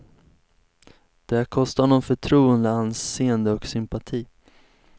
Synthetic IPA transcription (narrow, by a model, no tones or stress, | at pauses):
d̪̥ɛhækʰɔst̪aɳɔnfœʈʰɾuːənd̪əanseːənd̪əɔksʏmpat̪ʰiː